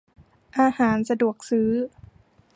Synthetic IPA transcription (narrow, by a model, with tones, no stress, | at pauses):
ʔaː˧haː˩˦nsa˧du˨˩ək̚sɯː˦˥